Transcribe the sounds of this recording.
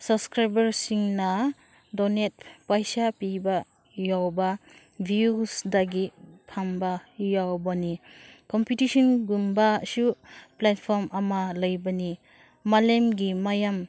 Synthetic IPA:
sabskɾajbɐɾsiŋna | dɔnet̚pajsapiba | jawba | bʱiusdaɡipʰambajawbanikɔmpitisɔnɡumbasuplat̚pʰɔɾmɐmalɐjbani | malemɡimajam

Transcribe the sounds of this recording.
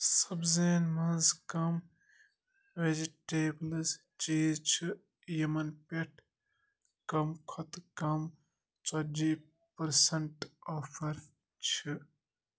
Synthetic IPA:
sɐbzeːnmɐnzkɐm | ʋed͡ʒiʈeːblz | t͡ʃiːzt͡ʃʰi | jimɐnpeʈʰ | kɐmkʰɔt̪kɐm | t͡sɐd͡ʒi | pɐɾsɐɳʈɔːpʰɐɾ | t͡ʃʰi

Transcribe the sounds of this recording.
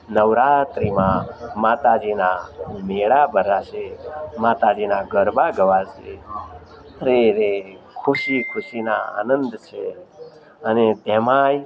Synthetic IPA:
nəʋɾat̪ɾimãmat̪ad͡ʒinameɭabʱəɾaʃemat̪ad͡ʒinaɡʱəɾbaɡəʋaʃe | ɾeɾe | kʰʊʃikʰʊʃina̰a̰nənd̪t͡ʃʰe | ənet̪ɛmaj

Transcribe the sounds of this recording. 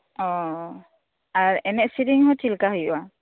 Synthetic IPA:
ɔ | aɾɛnɛʔsiɾiŋhɔtʰilkaɦujua

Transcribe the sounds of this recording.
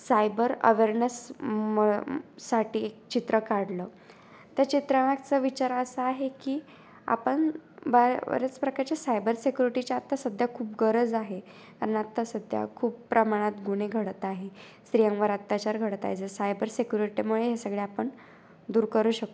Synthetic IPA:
sajbəɾə̰ʋeɾnəsmː | aʈiːek̚t͡ɕit̪ɾəkaɽlə | t̪jat͡ɕit̪ɾaakt͡səʋit͡ɕaɾəəsəaɦekiː | a̰pəɳbəə̰ɾət͡spɾəkaɾt͡ɕasajbəɾsekʲjuɾiʈit͡ɕaat̪ːasəd̪ʱjakʰuːpɡəɾəd͡zaɦe | k̪aɾənat̪ːasəd̪ʱja̰kʰuːppɾəmaɽ̃at̪ɡuɽ̃eɡʱəɽət̪aɦe | sɾijə̃ŋɡʋəɾət̪ːjat͡ɕaɾɡʱəɽət̪a̰ɦet͡səsajbəɾsekʲjuɾiʈimuɭeɦjasəɡɭeapəɳ | d̪uːɾkəɾuːɕək̚t̪o

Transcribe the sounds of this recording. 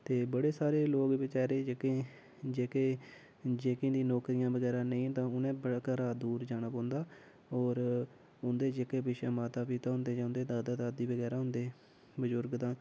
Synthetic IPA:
t̪eːbəɽeːsaːɾeːloːɡʋɪt͡ʃaːɾeːd͡ʒeːkẽː | d͡ʒeːkeː | d͡ʒeːkẽːd̪iːnɔːkɾijãːbəɡɛːɾãːnəĩːt̪ãːʊnẽːbəɽaːkəɾaːd̪uːɾd͡ʒaːɽaːpõːnd̪aː | ɔːɾ | ʊnd̪eːd͡ʒeːkeːbɪʃaːmaːt̪aːpiːt̪aːɦʊ̃nd̪eːd͡ʒaːʊnd̪eːd̪aːd̪aːd̪aːd̪iːbəɡɛːɾaːɦʊnd̪eː | bəzʊɾɡd̪ãː

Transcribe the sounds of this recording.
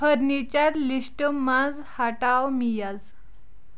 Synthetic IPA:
pəɾnit͡ɕaɾliɕʈəmãd͡z | haʈawmijad͡z

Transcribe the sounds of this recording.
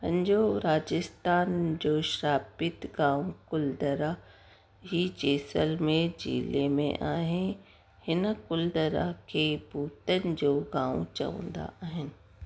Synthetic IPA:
pɐ̰̃ɲd͡ʑoɾaːd͡ʑɪst̪aːnd͡ʑoːʃɾaːpɪt̪ɡãːʋũkʊld̪əɾa | ɦiːt͡ɕeːsəlmẽd͡ʑḭːlemḛ̃ʔaːɦɪn | hɪnkʊld̪əɾa̰kʰeːbuːt̪ənɪ̆d͡ʑoːɡaːʋṵ̃t͡ɕɐ̰ʋə̰̃nd̪a̰ʔaːɦɪnɪ̆

